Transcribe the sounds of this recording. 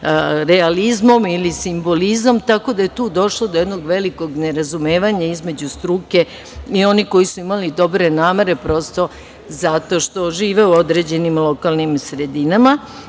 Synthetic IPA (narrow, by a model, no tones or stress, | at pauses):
ɾe̞alizmo̞milisimbo̞lizomt̪ako̞d̪aje̞t̪uːd̪o̞ʃlˠod̪od̪no̞ɡʋe̞liko̞ɡne̞ɾazumeːʋaɲaizme̞d͡ʑust̪ɾuːke̞ | io̞niko̞jisuimalid̪o̞bɾe̞naːme̞ɾe̞pɾo̞st̪o̞ | zat̪o̞ʃt̪o̞ʒiːʋe̞uo̞d̪ɾe̞d͡ʑe̞nimlˠo̞kalnimsɾe̞d̪inama